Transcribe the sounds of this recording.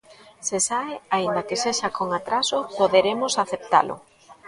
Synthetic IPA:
sesaɪaind̪akeseʃakoŋat̪ɾasʊpoðeɾemʊsaθep̚t̪a̰lʔʊ̰

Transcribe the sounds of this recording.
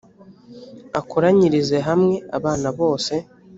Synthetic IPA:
akuɾaɲiɾize̞ɦamŋe̞aβaːnaβo̞ːse̞

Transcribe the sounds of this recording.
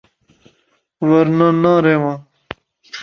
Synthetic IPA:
wɐɾnãnãːɾemã

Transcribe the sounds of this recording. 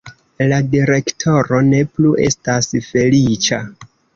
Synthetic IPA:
ladiɾe̞ktʰo̞ɾo̞ne̞pluʔe̞̰stasfe̞lit͡ʃa

